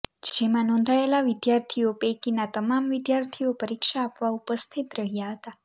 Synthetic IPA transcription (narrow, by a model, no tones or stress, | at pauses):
d͡ʒemãnɔ̃nd̪ʱaelaʋɪd̪jaɾt̪ʰiopekinat̪əmamʋid̪jaɾt̪ʰiopəɾikʃaːpʋaupəst̪ʰit̪ɾəɦjaɦət̪a